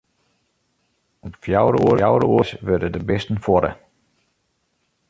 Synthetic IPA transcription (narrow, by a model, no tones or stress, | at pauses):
ɔpfjawɾəuəawɾə̰uəsʋɪrdədəbɪstn̩fɔdə̰